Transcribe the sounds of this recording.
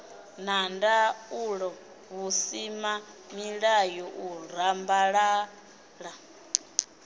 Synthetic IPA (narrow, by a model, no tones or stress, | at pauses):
nandauɺɔ | βusima | miɺajɔʔuɾambaɺa | ɺa